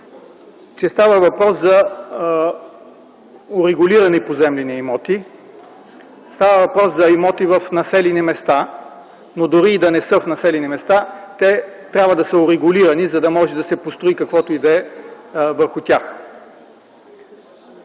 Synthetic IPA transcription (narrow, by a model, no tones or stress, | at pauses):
t͡ʃɛst̪avəvɐpɾɔszɐ | ʊɾɛɡʊliɾɐnɛpozɛmlɛniimɔt̪i | st̪avɐvɐpɾɔszɐimɔt̪ivɐfnɐsɛlinimɛst̪a | nod̪oɾiːd̪ɐnɛsəfnɐsɛlinimɛst̪at̪ɛt̪ɾʲabvəd̪ɐsəʊɾɛɡʊliɾɐnizɐd̪ɐmɔʒɛd̪ɐsɛpost̪ɾoikɐkvɔt̪oid̪ɛ | vəɾxʊt̪ʲax